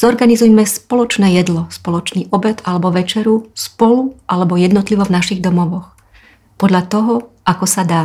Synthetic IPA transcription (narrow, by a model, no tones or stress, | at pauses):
z̥ɔɾɡanizujmɛspɔlɔt͡ʃnɛːjɛd̪lɔspɔlɔt͡ʃniːʔɔbɛt̪alɛbɔʋɛt͡ʃɛɾuspɔluʔalɛbɔjɛd̪nɔt̪liʋɔvnaʃiɣd̪ɔmɔʋɔx | pɔd̪ʎat̪ɔɦɔʔakɔsad̪aː